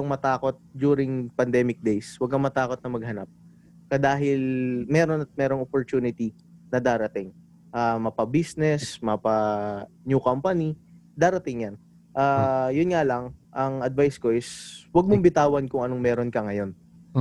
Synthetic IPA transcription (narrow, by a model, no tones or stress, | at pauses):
oŋmɐt̪aːko̞t̪̚d̪juːɾɪŋpɐnd̪ɛːmɪk̚d̪ɛjswɐɡ̚kɐŋmɐt̪aːko̞t̪nɐmɐɡ̚hɐnap̚ | kɐd̪aːɦɪlmɛːɾo̞nɐt̪̚mɛːɾoŋopoɾt̪uːnɪt̪i | nɐd̪aːɾɐt̪ɪŋ | ʔaːmɐpɐbisnɛsmɐpɐnjukampɐni | d̪aːɾɐt̪ɪŋjan | ʔaːjʊnŋalɐŋʔɐŋɐd̪̚vajsko̞ʔɪswɐɡ̚mombɪt̪aːwɐnkʊŋɐnoŋmɛːɾo̞nkɐŋɐjo̞n